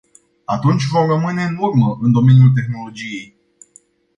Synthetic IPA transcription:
at̪unt͡ʃʲvo̞mrəmɨne̞ɨnurməʔɨnd̪o̞me̞njult̪̬e̞xno̞lo̞d͡ʒije̞j

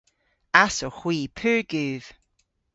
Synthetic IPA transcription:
asɔxwiːpʰʉːɹɡ̥ʉːð̥

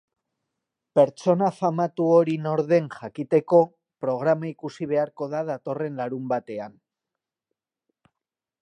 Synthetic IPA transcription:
pe̞ɾt͡ʃo̞nafamat̪uoɾino̞ɾðe̞nʝakit̪e̞ko̞ | pɾo̞ɣ̞ɾamaikusiβe̞aɾko̞ðaðat̪o̞re̞nlaɾumbat̪e̞an

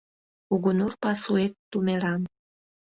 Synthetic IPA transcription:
uɣunurpɑsuet̪ːumelɑn

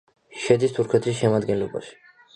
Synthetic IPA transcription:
ʃɛd̪ist̪ʰuɾkʰɛt̪ʰisʃɛmad̪ɡɛnlɔba̰ʃi̥

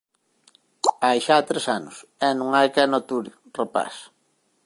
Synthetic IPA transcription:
ajʃat̪ɾesanʊsɛnũŋajkɛnot̪uɾjo | repa̰s

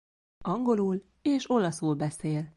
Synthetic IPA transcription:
ɒŋɡo̞luːl | eːʃo̞lɒsuːlbɛseːl

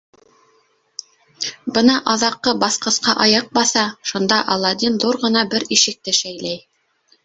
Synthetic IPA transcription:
bɤnɑʔɑðɑqːɤbɑθqɤ̆sqɑʔɑjɑq̚bɑθɑʃund̪ɑʔɑlˠːɑd̪ʲinðuɾʁɤ̆nɑbɘɾiʃɘ̆k̚t̪ɘʃæjlæj

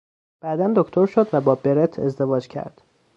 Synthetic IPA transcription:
b̥æːd̪ænd̪okt̪ʰo̞ɾʃod̪væbɒːbe̞ɾet̪ʰezd̪e̞vɒːd͡ʒcʰæ̰ɾd̪̥

